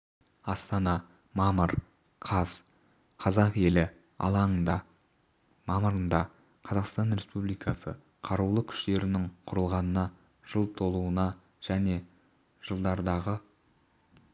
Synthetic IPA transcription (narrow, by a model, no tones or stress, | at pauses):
ɑst̪ɑnɑ | mɑməɾ | qʰɑz̥ | qʰɑzɑqe̞lɪ | ɑ̰lˠɑnənd̪ɑ | mɑməɾənd̪ɑ | qʰɑzɑqst̪ɑnɾe̞spublijkɑsə̰ | qʰɑɾuwlˠəkʲʰʏ̥ʃt̪e̞ɾɪnɪŋqʰʊɾəlˠʁɑnənɑ | ʒ̥əlˠt̪ʰo̞lˠuənɑ | ʒ̥æne̞ | ʒ̥əlˠd̪ɑɾd̪ɑʁə